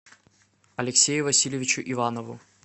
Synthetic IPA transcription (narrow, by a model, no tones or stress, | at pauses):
ɐlʲɪksʲejʊvɐsʲilʲjɪvʲɪt͡ɕʊʔivanɔvʊ̰